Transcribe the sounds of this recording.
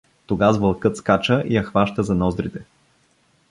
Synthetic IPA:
t̪oɡazvɐlˠkɤt̪skat͡ʃəʔijɐxvaʃt̪əzɐnɔzd̪ɾit̪ɛ

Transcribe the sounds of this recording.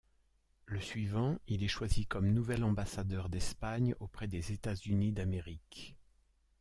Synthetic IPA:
ləsɥivɑ̃ilɛʃwazikɔmnuvɛlɑ̃basad̪œʁd̪ɛspaɲopχɛd̪ezet̪azynid̪ameʁik

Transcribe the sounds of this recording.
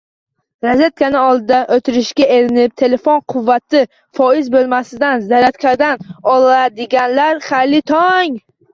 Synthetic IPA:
ɾazet̪̚kʰanɪɒlˠd̪ɪd̪aʔot̪ʰɪɾɪʃɡʲae̞ɾɪnɪp̚t̪ʰe̞le̞fonqʰʊvːat̪ʰɪ | fɒɪzbolˠmasɪd̪anzaɾat̪kʲʰad̪anɒlˠad̪ɪɡʲanlaɾχalɪt̪ʰɒŋ

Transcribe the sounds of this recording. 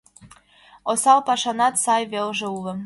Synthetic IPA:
osɑlˠpɑʃɑnɑt̪sɑjβelʒĕulˠɤ̆

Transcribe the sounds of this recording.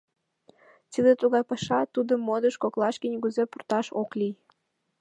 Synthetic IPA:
t̪id̪et̪uɣɑjpɑʃɑt̪ud̪əmːod̪əʃkoklɑʃkinʲɣuzepurt̪ɑʃoklij

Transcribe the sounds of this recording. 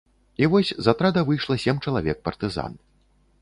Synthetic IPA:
ivɔsʲzat̪ɾad̪ɐvɨjʂlˠɐsʲemt͡ʂɐlˠavʲɛk̚pɐrt̪ɨza̰n

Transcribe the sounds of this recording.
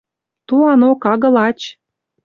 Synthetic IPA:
t̪uɑnokɑɣɤ̆lɑt͡ɕ

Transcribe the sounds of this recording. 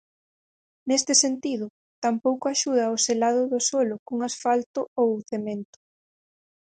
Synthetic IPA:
nest̪ɪsent̪iðʊ | t̪ampowkoaʃuð̞ɐoselaðʊðʊsolʊkuŋasfalt̪ʊowθemẽnt̪ʊ̥

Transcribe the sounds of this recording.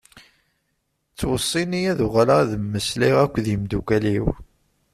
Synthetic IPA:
t͡sːwəsˤːinijæðʊʁlaðəmːəsliʁækʷːðimd̪ukæliw

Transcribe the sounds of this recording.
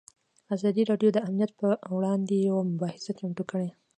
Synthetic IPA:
azɑd̪iɾɑɖjod̪əamnijat̪̚pəwɽɑnd̪ejawamʊbɑhɪsakeɳʈukəɽe

